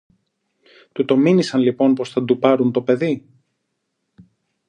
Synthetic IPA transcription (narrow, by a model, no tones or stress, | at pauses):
t̪ut̪o̞minisɐnlipo̞npo̞sθɐd̪upɐɾunt̪o̞pe̞ði